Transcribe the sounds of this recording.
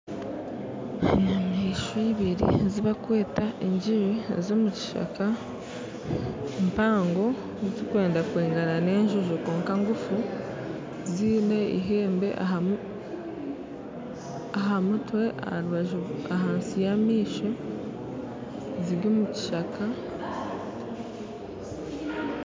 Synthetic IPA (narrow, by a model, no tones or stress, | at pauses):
namiʃoiβiɾḭziβakwe̞ːtaʔeɲɟiβḭzo̞ːmuci̥ʃa̰ka | mpaːŋɡo̞ | zizikwe̞ːndakweːŋɡanane̞ːɲʒuʒoko̞ːŋkaŋɡufu | ziːne̞ḭɦe̞ːmbe̞ʔa | aɦamutwe̞ʔa̰haɾuβaʒuaɦaːnsijamiːʃo | ziɾɡoːmuci̥ʃakʰa